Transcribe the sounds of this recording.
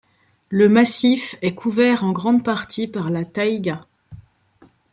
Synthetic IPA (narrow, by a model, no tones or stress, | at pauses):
ləmasifɛkʰuvɛʁɑ̃ɡʁɑ̃d̪paʁt̪ipaʁlat̪ajɡa